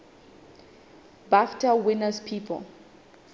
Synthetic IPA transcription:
baftʰawɪnaspʰiːpʰɔ̰l

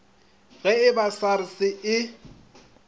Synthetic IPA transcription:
ɣɛɪbasaɾɪsɪɪ

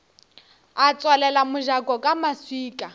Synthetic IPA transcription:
at͡sʼwalɛlamʊʒakʼɔkʼamaswiːkʼa

